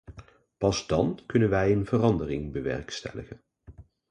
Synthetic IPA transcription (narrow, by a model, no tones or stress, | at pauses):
pɑzdɑnkɵnənʋɛjənvərɑndərɪŋbəʋɛ̰rkstɛ̰ləχən